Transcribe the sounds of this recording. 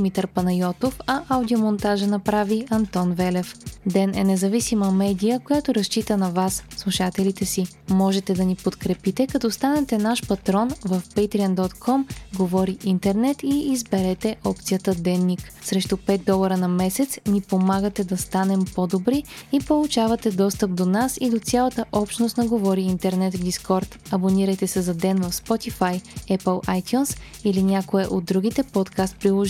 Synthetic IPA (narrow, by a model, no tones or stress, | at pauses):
mit̪əɾpɐnɐjɔt̪ofɐʔawd̪iomont̪aʒənɐpɾaviɐnt̪ɔnvɛlɛfd̪ɛnɛ̰nɛzɐvisiməmɛd̪ijəkojat̪oɾɐst͡ʃit̪ənɐvasslˠuʃat̪ɛlit̪ɛsi | mɔʒɛt̪ɛd̪ɐnipot̪kɾɛpit̪ɛkɐt̪ɔst̪anɛt̪ɛnaʃpɐt̪ɾɔnvəfpɛjt̪ɾiənd̪ɔt̪kʰɔmɡovɔɾiint̪ɛɾnɛt̪iːzbɛɾɛt̪ɛʔɔp̚t̪sijət̪əd̪ɛnːiksɾɛʃt̪ʊpɛt̪̚d̪ɔlˠɐɾənɐmɛsɛt̪snipomaɡət̪ɛd̪ɐst̪anɛmpod̪obɾiipolˠut͡ʃavɐt̪ɛd̪ɔst̪əp̚d̪onasid̪ot̪sʲalˠɐt̪əʔɔpʃnost̪nɐɡovɔɾiint̪ɛɾnɛt̪vd̪iskɔɾt̪ɐboniɾəjt̪ɛsɛzɐd̪ɛnvɐfspɔt̪ifajɛpəlˠʔajt̪ʲjuns | ilinʲakoɛʔod̪̚ːɾuɡit̪ɛpɔt̪kast̪̚pɾilˠɔʒ